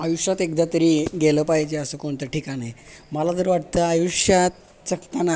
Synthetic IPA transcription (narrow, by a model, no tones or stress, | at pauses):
ajuʂjat̪ek̚d̪at̪əɾiːɡeləpajd͡ʑeəsəːkoɳt̪əʈikaɽeməlad͡zəɾʋaʈ̚t̪əajuɕjat̪̚ | t͡səkt̪ana